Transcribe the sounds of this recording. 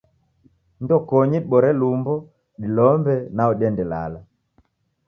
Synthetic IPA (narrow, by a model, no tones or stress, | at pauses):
ndɔkɔɲiɓɔɾɛlumbɔ | ɗilɔmbɛnaɔɗɛndɛla̰la